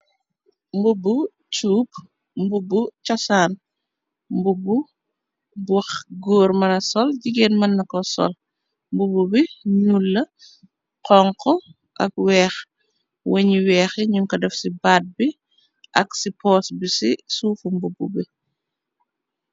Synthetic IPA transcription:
mbubu | t͡ʃuːp̚ | mbubut͡ʃɐsaːn | mbubːu | bwɐxɡoːɾmɐnɐsɔlɟiɡeːnmɐnːɐkɔsɔ̰l | mbububiɲulːɐ | qɔŋkɔ | ʔɐ̰k̚wɛːx | wɐɲiwɛːxɛɲuŋkɐdɐfsibaːt̚bi | ʔɐksipɔːsbisisuːfumbububi

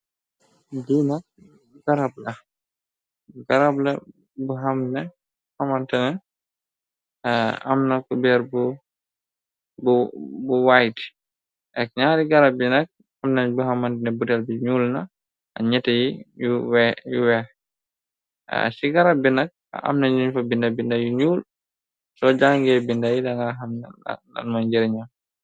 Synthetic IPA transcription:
diːnak̚ | ɡaɾab̚lɐ | ɡaɾabla | buɦamnɛ | hamantɛnɛ | a̰mnakɔbɛɾbu | bubuwajti̥ | ʔɛk̚ɲaːɾiɡaɾab̚ːinɐk̚ | amnanbuhamantɛnɛbutɛlbiɲuːlna | ʔa̰ɲɛtajijuwɛjuwɛh | siɡaɾabinak̚a̰ʔa̰mnaɲiɲfabindabindajuɲuːl | sɔd͡ʒaŋɡɛbindajidaŋɡaɦamn̰na̰nmaɲd͡ʒiɾɲam

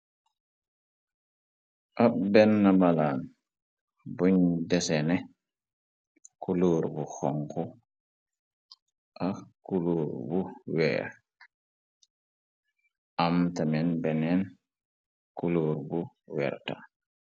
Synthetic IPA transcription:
ʔabɛnːamalaːn | boɲdɛsɛnɛ | kuloːɾbuxɔŋkɔ | ʔakuloːɾbuwɛ̰ː | ʔamtamɛnbɛnɛn | kuloːɾbu | wɛ̰ɾta̰

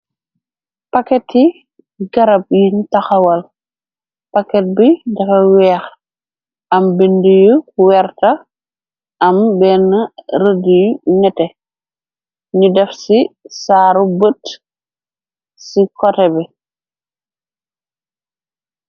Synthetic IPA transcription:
pɐkɛtːi | ɡɐɾɐp̚jintɐxɐwɐl | pɐkːɛt̚bidɐfɐwɛːx | ɐmbindujuwɛrtɐ | ɐmbɛːnɐɾədijunɛtɛ | ɲudɛfsisaːɾubət | sikɔtɛbɛ

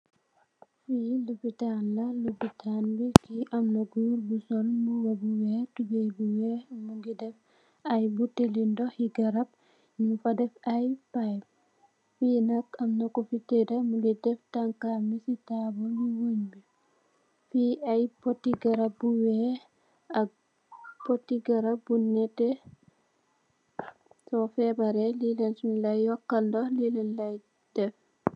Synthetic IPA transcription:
filupitanlɐlupitʰanbikiʔɐmnɐɡuɾbusɔlmuwɐbuwɛːtuɡejbuwɛmuɡidɛf | ɐjbutelindɔhiɡɐɾɐp̚ | ɲifɐdɛfɐjpajp̚ | finɐkɐmnɐkufitedɐmuɡidɛftaŋkamisitabɔliwoɲbi | fiɐjpɔtːiɡɐɾap̚buwɛ | ɐk̚ | pɔtːiɡɐɾap̚bunɛtɛ | sɔfɛbaɾɛlilɛnsnlajjɔkːɐldɔlilɛnlaj | d̥ɛf

